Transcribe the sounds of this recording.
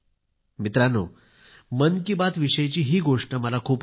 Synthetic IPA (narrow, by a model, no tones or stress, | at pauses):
mit̪ɾano | mənkibat̪ʋiɕəjt͡ɕiːɦiːɡoʂʈəməlakʰuːp